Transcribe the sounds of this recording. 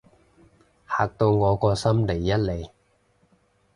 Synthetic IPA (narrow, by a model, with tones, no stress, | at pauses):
haː˨k̚t̪o˧wŋɔː˨˧kɔː˧sɐ˥mle˨˩jːɐ˥t̚le˨˧j